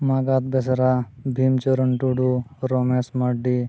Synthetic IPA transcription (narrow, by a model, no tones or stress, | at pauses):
maɡat̪̚besɾabʱimt͡ʃəɾuɳʈuɖuɾomesmɐɖi